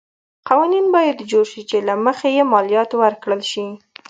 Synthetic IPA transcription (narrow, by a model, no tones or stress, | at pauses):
qawɑninbɑjad̪d͡ʒoɾʃit͡ʃelaməxejemɑljɑt̪wəɾkɽəlʃi